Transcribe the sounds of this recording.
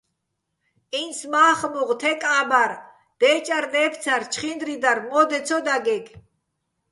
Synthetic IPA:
int͡sʰmaːχmuʁt̪ʰɛkʼabaɾ | d̪̥ɛːt͡ʃʼaɾd̪ɛːpʰt͡sʰaɾt͡ʃʰχind̪ɾid̪aɾmɔd̪ɛt͡sʰɔd̪aɡɛɡ

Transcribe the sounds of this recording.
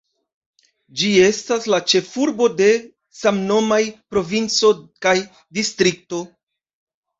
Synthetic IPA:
d͡ʒie̞staslat͡ʃe̞fuɾbo̞de̞ | samno̞majpɾo̞vint͡so̞kaj | distɾik̚to̞

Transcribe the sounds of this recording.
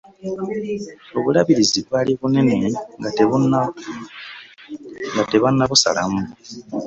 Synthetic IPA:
o̞βulaβiɾiziβwaliβune̞neŋɡateβuna | ŋɡate̞βanːaβusa̰la̰mu

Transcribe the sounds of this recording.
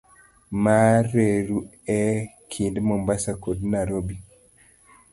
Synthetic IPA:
maɾeɾu | ɛkʰindmɔmbasakodnaɾobi

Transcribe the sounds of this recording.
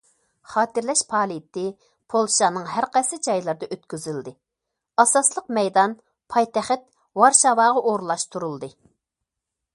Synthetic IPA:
χɑːt̪ɪɾlɛʃpʰɑːlˠit̪ːɪ | pʰolˠʃɑnɨŋɦæɾqɑjsɪd͡ʒɑjlˠɨɾd̪ɑʔøt̪kʲyzyld̪ɪ | ɑsɑslˠəqmɛjd̪ɑn | pʰɑjt̪ɛχɪt̪ | wɑɾʃɑwɑːʁɑʔoɾlˠɑʃt̪ʰuɾulˠd̪ɨ

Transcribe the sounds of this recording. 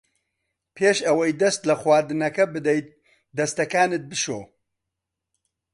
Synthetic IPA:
pʰeːʃɐwɐjd̪ɐst̪lɐxwaːɾd̪ɨnɐkɐbɨd̪ɛjt̪̚ | d̪ɐst̪ɐkaːnɨt̪̚bɨʃo̰ː

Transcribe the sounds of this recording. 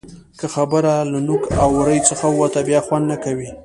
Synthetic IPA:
kəxabəɾalanukawːaɾəjt͡səxawwat̪abjɑxwand̪nakawi

